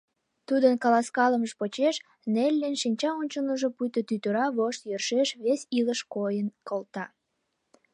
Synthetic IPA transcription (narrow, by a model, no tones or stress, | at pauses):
t̪ud̪ənkɑlɑskɑləməʒpot͡ɕeʃ | nelʲːenʃinʲt͡ɕɑonʲt͡ɕənəʒopujt̪ət̪yt̪əɾɑβoʃt̪jørʃeʃβesiləʃkojənkolt̪ɑ